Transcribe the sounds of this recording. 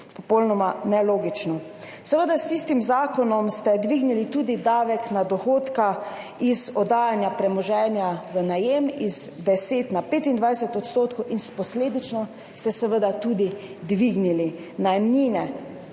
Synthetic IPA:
pɔpowlnɔmanɛloːɡit͡ʃnɔ | sɛʋəd̪ast̪ist̪imzaːkɔnɔmst̪ɛd̪ʋiɡnilit̪uːd̪id̪aːʋɛknad̪ɔxoːt̪ka | izɔd̪aːjanjapɾɛmɔʒɛːnjaʋənajemizd̪ɛseːt̪napeːt̪ind̪ʋajsɛt̪ɔt̪st̪oːt̪kɔwʔinspɔsleːd̪it͡ʃnɔ | st̪ɛsɛʋəd̪at̪uːd̪id̪ʋiɡnili | najɛmniːnɛ

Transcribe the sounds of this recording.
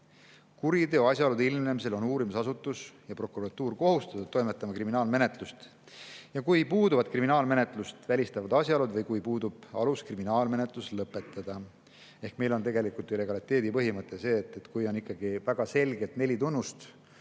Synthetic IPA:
kuɾit̪eoɑsʲjɑolud̪ilmnemise̞lo̞nuːɾimisɑsut̪ːˑusjɑpro̞kuɾɑt̪ːuːrko̞ɦust̪ɑt̪ːud̪̚t̪ːo̞jmet̪ːˑɑmɑkriminɑːlme̞ne̞t̪lust̪ | jɑkujpuːd̪uvɑd̪̥̚kriminɑːlme̞ne̞t̪ˑlust̪vælʲist̪ɑvɑd̪̥ɑsʲjɑolud̪vɤjkujpuːd̪ub̥ɑ̰luskriminɑːlme̞net̪ˑluslɤpːˑe̞t̪ːˑɑd̪̥ɑ | e̞hkme̞jlo̞nt̪e̞ɡe̞likult̪iɾe̞ɡ̥ɑlit̪ːˑe̞ːd̪ipɤɦimɤt̪ːˑe̞se̞ːt̪ːˑet̪kujo̞nikːɑɡivæɡ̥ɑse̞lʲɡet̪ne̞lʲit̪unːust̪

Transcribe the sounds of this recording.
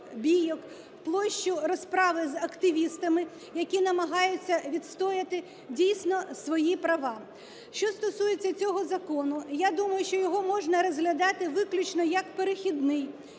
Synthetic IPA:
bʲijɔk | plˠɔʃt͡ʃʊɾɔspɾɑʋɪzɐkt̪ɪʋʲist̪ɐmɪ | jɐkʲinɐmɐɦɑjʊt͡sʲːɐʋʲid̪st̪ɔjɐt̪ɪ | dʲijsʲnɔsʋɔjipɾɐʋɑ | ʃt͡ʃɔst̪ɔsujet͡sʲːɐt͡sʲɔɦɔzɐkɔnʊjad̪umɐjʊʃt͡ʃɔjɔɦɔmɔʒnɐɾɔzɦlʲɐd̪ɑt̪ɪʋɪklʲʊt͡ʃnɔjɐkpeɾɪxʲid̪nɪj

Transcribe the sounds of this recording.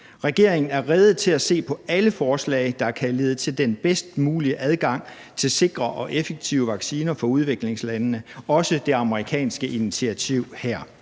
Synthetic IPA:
ʁɛɡ̥e̝ɐ̰eŋn̩æɐʁɛð̞ˠð̩ˠt͡sʰe̝læse̝̰ːpʰɒ̽æləfɒːslɛ̰ɪd̥ɑ̈æɐkʰæle̝ːð̞̩ˠət͡sʰe̝ld̥enb̥esd̥muːliəʔæð̞ˠɡ̥ɑ̈ŋ̰ | t͡sʰe̝lse̝ɡ̥ʁɐʔɒ̽ʔefeɡ̥̚t͡sʰiʊəʋɑ̈ɡ̥siːnɐfɒ̽uð̞ˠʋe̝ɡ̥le̝ŋslænːəɒ̽səd̥e̝ɑ̈məʁikʰɛ̰ːnsɡ̥əʔinit͡sʰiæt͡sʰiʊ̰hæɐ̰

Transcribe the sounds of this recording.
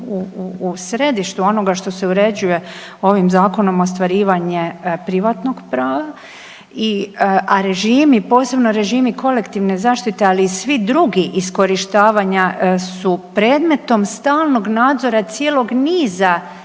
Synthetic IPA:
uːsɾe̞d̪iʃt̪uo̞no̞ɡaʃt̪o̞se̞uɾe̞d͡ʑuje̞ | o̞ʋimzaːko̞no̞most̪ʋaɾiːʋaɲepɾiʋaːt̪no̞ɡpɾaːʋa | iaɾe̞ʒiːmipo̞ːse̞bno̞ɾe̞ʒiːmikʰo̞le̞kt̪iʋne̞zaːʃt̪it̪e̞aliːsʋid̪ɾuɡiʔisko̞ɾiʃt̪aːʋaɲasupɾe̞ːd̪me̞t̪o̞mst̪aːlˠno̞ɡnaːd̪zo̞ɾat̪sjeːlo̞ɡniːza

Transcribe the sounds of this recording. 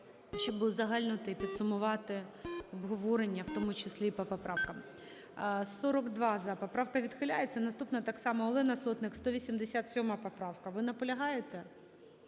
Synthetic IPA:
ʃɔbɨzɐɦɑlʲnʊt̪ɪpʲid̪sʊmʊʋɑt̪ɪɔbɦɔʋɔɾenʲːɐwt̪ɔmʊt͡ʃesʲlʲipɔpɔpɾɑwkɐm | sɔɾɔɡd̪ʋɑzɐpɔpɾɑwkɐʋʲid̪xɪlʲajet͡sʲːɐnɐst̪upnɐt̪ɑksɑmɔɔlˠɪnɐsɔt̪nɪkst̪ɔʋʲisʲimd̪esʲat̪sʲɔmɑpɔpɾɑʋkɐʋɪnɐpɔlʲɐɦɑjet̪ɛ

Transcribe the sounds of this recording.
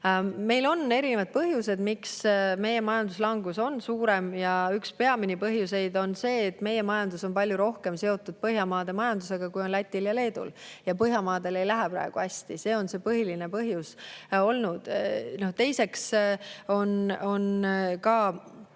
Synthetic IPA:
me̞jlo̞nːe̞ɾinevɑd̪̚pɤɦjuse̞d̪miksme̞je̞mɑjɑnd̪̥uslɑŋɡuso̞nsuːɾe̞mjɑykspe̞ɑminipɤɦjuse̞jd̪o̞nse̞ːt̪ːˑme̞je̞mɑjɑnd̪̥uso̞npɑlʲjuɾo̞hke̞mse̞o̞t̪ːˑud̪̥̚pɤɦjɑmɑːd̪̥e̞mɑjɑnd̪̥use̞ɡ̥ɑkujo̞nlæt̪ʲːiljɑle̞ːd̪̥ṵljɑpɤɦjɑmɑːd̪̥e̞le̞jlæɦepɾɑ̰e̞ɡ̥uæsʲt̪ise̞ːo̞nse̞ːpɤɦilinepɤɦjuso̞lnud̪̥no̞ht̪e̞jse̞kso̞no̞nkɑ

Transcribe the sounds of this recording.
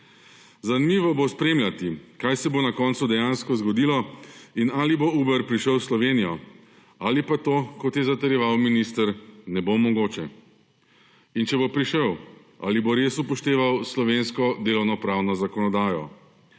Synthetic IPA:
zanimiːʋɔbospɾeːmljʲat̪ikajsɛbonakɔnt̪sud̪ɛjanskɔzɡɔd̪iːlɔinaːlibouːbɛɾpɾiʃəwslɔʋeːnijɔ | aːlipat̪oːkɔt̪jɛzat̪ɛɾjɛʋawminist̪əɾnɛbomɔɡoːt͡ʃɛ | int͡ʃɛbopɾiʃəw | a̰ːliboɾesupɔʃt̪eːʋawslɔʋenskɔd̪eːlɔwnɔpɾawnɔzakɔnɔd̪aːjɔ̰

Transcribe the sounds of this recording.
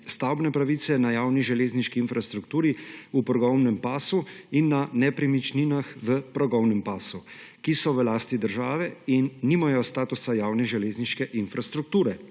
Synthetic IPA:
st̪awbnɛpɾaʋisɛnajaːwniʒɛleːzniʃkiːnfɾast̪ɾukt̪uːɾiupɾɔɡɔwnɛmpaːsuinːanɛpɾimit͡ʃninaxʋəpɾɔɡɔwnɛmpaːsukisɔʋəlaːst̪id̪əɾʒaːʋɛinːimajɔst̪aːt̪usajaːwnɛʒɛleːzniʃkɛʔinfɾast̪ɾuk̚t̪uːɾɛ

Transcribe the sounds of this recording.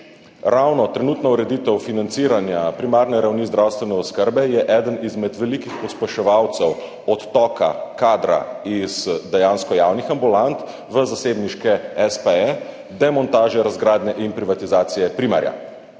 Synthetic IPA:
ɾawnɔt̪ɾɛnuːt̪nɔuɾɛd̪iːt̪ɛwfinant̪siːɾanjapɾimaːɾnɛɾawnizd̪ɾawst̪ʋɛnɛɔskəɾbɛjɛʔɛd̪ənizmɛd̪ʋɛlikixpɔspɛʃɛʋawt̪sɛw | ɔt̪ːɔːka̰kaːd̪ɾa̰iz̥d̪ɛjaːnskɔjawnixambulant̪ | ʋəzaseːbniʃkɛɛspɛɛ | d̪ɛmɔnt̪aːʒɛɾazɡɾaːd̪nɛʔinpɾiʋat̪izaːt̪sijɛpɾima̰ɾja̰

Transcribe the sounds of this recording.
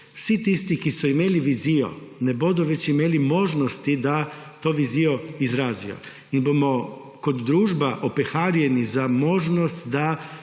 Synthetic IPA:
wsit̪ist̪ikisuimeliʋizijo̰nebod̪uʋet͡ʃimeːlimo̞ːʒnost̪id̪at̪oːʋizijoizɾaːzḭjo̰ | inbomo | kod̪ːɾuːʒbaʔopexaːɾjenizamo̞ʒnost̪d̪a

